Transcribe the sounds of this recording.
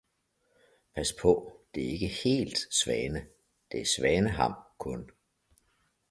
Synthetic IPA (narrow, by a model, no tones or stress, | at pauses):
pʰæspʰɔ̽d̥e̝æe̝ɡ̥əhe̝̰ːld̥sʋɛːnə | d̥e̝æsʋɛːnəɦɑ̈mkʰɔ̽n